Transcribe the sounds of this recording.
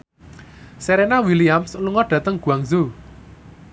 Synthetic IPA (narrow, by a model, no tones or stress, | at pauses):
seɾenawiliamsluŋɔɖ̥ä̤t̪əŋɡ̥ṳaŋzu